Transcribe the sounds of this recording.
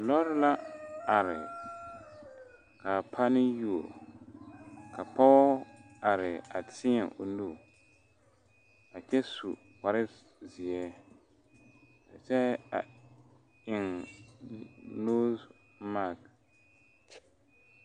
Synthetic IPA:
a˨lɔ˦ɾla˦a˨ɾɪ˨ | ka˨pʰa˦nɪ˦ju˦˨o˨ | kʰa˨pa˦ | a˨ɾɪ˨a˨tʰɪ˦ɲɛ˨ʔo˨nu˦˨ | a˨t͡ʃɛ˦su˨ | ka˨ɾɪ˦ | zɪ˨ɛ˦ | ka˨t͡ʃɛ˦a̰˨ | ɪ˨ŋ | no˦z | ma˦˨k

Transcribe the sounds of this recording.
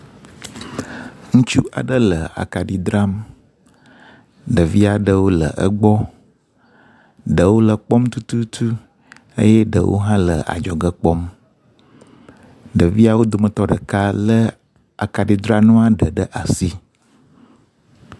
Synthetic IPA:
ŋũ˦t͡ʃu˦ʔa̰˨ɖə˦lə˨a̰˨ka˨ɖi˨d̪ɾa˦m | ɖə˨vi˦a˨ɖə˦wo˦lə̰˨ʔə̰˦ɡ͡bɔ˦ | ɖə˨wo˦lə˨k͡pɔ˦mt̪u˦t̪u˦t̪ʰu˦ | ə̰˦jɛ˦ɖə̰˨wʔo̰˦ɦã˦lə̰˨ʔa̰˨d͡ʒɔ˨ɡə˦k͡pɔ˦m | ɖə˨vi˦a˦wo˦d̪o˨mə˨t̪ɔ˦ɖə˨ka˦lə˦ | a̰˨ka˨ɖi˨d̪ɾa˦nũ˦a˦ɖə˨ɖə˦ʔa˨si˦

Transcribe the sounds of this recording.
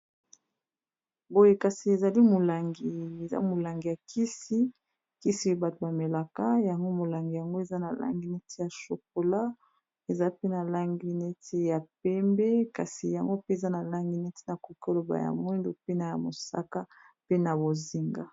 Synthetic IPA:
bo˦je˨ka˨si˨e˨za˨li˦mo˨la˨ŋɡi˨e˨za̰˦mo˨la˨ŋɡi˨ja˨ki˦si˦ | ki˦si˦ba˨to˨ba˨me˨la˨ka˦ja˨ŋɡo˦mo˨la˨ŋɡi˨ja˨ŋɡo˦e˨za˦na˨la̰˦ŋɡi˦ne˦tʰi˦ja˨ʃo˨k̚o˨la˦ | e˨za˦pe˦na˨la˦ŋɡi˦ne˦tʰi˦ja˨p̚ɛ˦mbe˦ka˨si˨ja˨ŋɡo˦pe˦e˨za˦na˨la˦ŋɡi˦ne˦ti̥˦na˨ko˨ki˦o˦lo˨ba̰˨ja̰˨mwɛ˦ndo˨pe˦na˨ja˨mo˨sa̰˦ka˦ | pe˦na˨bo˨zi˨ŋɡa̰˦

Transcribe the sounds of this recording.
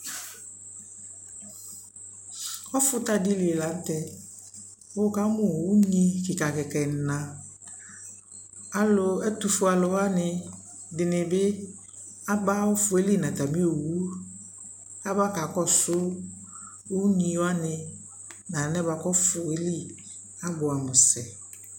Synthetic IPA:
ɔ˦fʊ˦ta˦di˦li˨e˨la˨˦n˦tɛ˨˦ | ʊ˦˨ka˦mʊ̃˨wu˦ɲi˦kɪ˨ka˨kɛ˨kɛ˨n̩˨nã˨ | a˦lʊ˦ɛ˦tu˨fʊ˦a˨lɔ˨wa˦nɪ˨ | dɪ˨nɪ̃˨bɪ˦ | a˦ɡ͡ba˦ʊ˦fʊ˨e˦li˦˨nã˨ta˨mĩ˦o˨wu˦ | a˦ba˦ka˨kɔ˦˨sʊ˦ | o˦u˦ɲĩ˨˦wa˦nɪ˨ | nã˨nɛ˦ba˨kɔ˦fʊ˨e˦li˦ | a˦bʊ˨a˨mʊ̃˨sɛ˨

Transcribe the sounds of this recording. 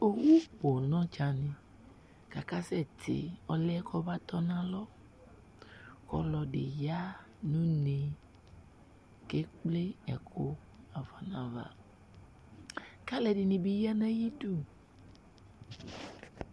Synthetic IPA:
o˨wu˦bo˨nɔ̃˦t͡ʃa˨ne˨ | ka˨ka˦sɛ˦˨tʰḛ˨ɔ˨lɛ˦kʰɔ˦ba˦t̪ɔ˦nã˦lɔ˦ | kɔ̰˦lɔ˨ɖḛ˨ja˦ | nũ˦ne˨ | ke˦k͡ple˦ɛ̰˨kʰo˦ | a˨va˨nã˨va̰˨ | ka˦lɛ˨di˨nĩ˨bi˦ja˦nɛ̃˦ji˦du˦˨

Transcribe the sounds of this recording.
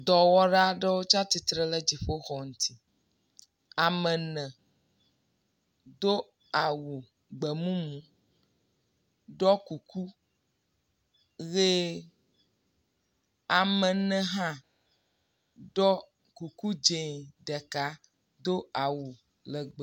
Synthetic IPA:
d̪ɔ˨wɔ˦ɖa˦ɖɛ˦wo˦t͡ʃa˦t̪i˨t̪ɾe˦le˦d͡ʒi˨ɸo˦xɔ˨ŋũ˨˦t̪ʰi˦ | a˨mɛ̃˨nɛ̃˨ | d̪o˦ | a˨wu˨ | ɡ͡bɛ˨mũ˦mũ˦ | ɖɔ˦ku˨kʰu˦ | ɣe˦ | a˨mɛ̃˨nɛ̃˦ɦã˦ | ɖɔ˦ | ku˨ku˦d͡ʒe˨ɖɛ˨ka˦ | d̪o˦a˨wu˨ | lɛ˨ɡ͡b

